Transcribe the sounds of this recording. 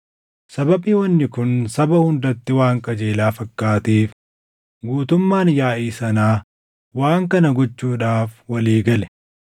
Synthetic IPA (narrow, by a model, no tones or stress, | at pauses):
sɐbɐbiːwɐnːɪkʊnsɐbɐhʊnd̪ɐt̪ːɪwaːŋkʼɐd͡ʒe̞ːlaːfɐkːaːt̪iːf | ɡuːt̪ʊmːaːnjaːʔiːsɐnaː | waːŋkɐnɐɡɔt͡ʃːuːᶑaːfwɐliːɡɐlɛ̥